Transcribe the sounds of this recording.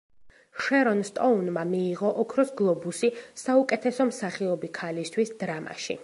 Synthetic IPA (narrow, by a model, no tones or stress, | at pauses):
ʃɛɾɔnst̪ʼɔunmamiːʁɔʔɔkʰɾɔsɡlˠɔbusisaukʼɛt̪ʰɛsɔmsaχiɔbikʰalist̪ʰwisd̪̥ɾama̰ʃḭ